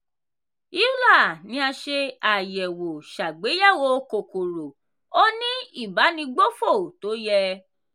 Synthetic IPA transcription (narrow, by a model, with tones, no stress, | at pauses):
i˦u˦la˦˨nĩ˧˦a˧ʃe˧a˨jɛ˨wo˨ʃa˨ɡ͡be˨˦ja˦˨wo˧ko˨ko˨ɾo˨ | o˦nĩ˦i˦˨ba˨˦nĩ˧ɡ͡bo˦fo˦˨to˨˦jɛ˧